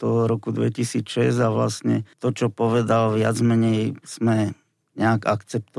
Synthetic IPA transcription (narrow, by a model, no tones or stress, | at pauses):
t̪ɔɾɔkud̪ʋɛcisiːt͡sʃɛzaʋlast̪ɲɛt̪ɔt͡ʃɔpɔʋɛd̪alʋɪad͡zmɛɲɛjz̥mɛ | ɲɛaɡakt͡sɛp̚t̪ɔ